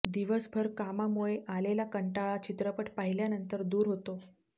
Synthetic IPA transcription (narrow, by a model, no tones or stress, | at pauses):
d̪iʋəsbʱəɾkamamuɭeʔalelakəɳʈaɭat͡ɕit̪ɾəpəʈpaɦiljanənt̪əɾd̪uːɾɦot̪o